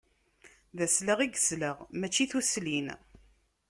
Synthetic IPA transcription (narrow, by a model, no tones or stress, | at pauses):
ðæsləʁiɡəzləʁmæt͡ʃːiθuslin